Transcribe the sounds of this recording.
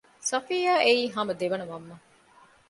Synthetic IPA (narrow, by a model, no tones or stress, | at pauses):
sɐfiːjaːʔeiːɦamɐd̪eʋɐnɐmɐmːɐ